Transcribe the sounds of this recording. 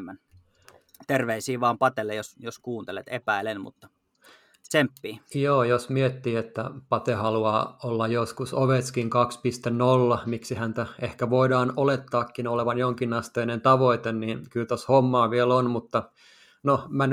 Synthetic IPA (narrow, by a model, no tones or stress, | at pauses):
mːæn | t̪erʋeisiːʋɑːmpɑt̪elːejosjoskuːnt̪elet̪epæilenmṵt̪ːɑ̥ | sempːiːjoːjosmiet̪ːiːet̪ːæpɑt̪ehɑluɑːolːɑjjoskusoʋet̪skiŋkɑkspist̪ennolːɑmiksihænt̪æehkæʋoidɑːnolet̪ːɑːkːinoleʋɑnjoŋkinɑst̪eːnent̪ɑʋoit̪enniːnkylt̪oshomːɑːʋielonmut̪ːɑ | nomæn